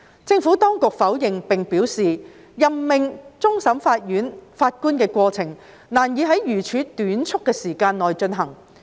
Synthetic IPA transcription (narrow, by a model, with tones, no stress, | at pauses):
t͡sɪ˧ŋfu˨˥t̪ɔː˥ŋkʊ˨k̚fɐ˨˥wjɪ˨ŋpɪ˨ŋpiː˨˥wsiː˨ | jɐ˨mmɪ˨ŋt͡sʊ˥ŋsɐ˨˥mfaː˧t̚jyː˨˥nfaː˧t̚kuː˥nkɛː˧kʷwɔː˧t͡sʰɪ˨˩ŋ | naː˨˩njiː˨˧ɦɐ˨˥jjyː˨˩t͡ʃʰyː˨˧t̪yː˨˥nt͡ʃʰʊ˥kːɛː˧siː˨˩kaː˧nlɔː˨jt͡ʃɵ˧nɦɐ˨˩ŋ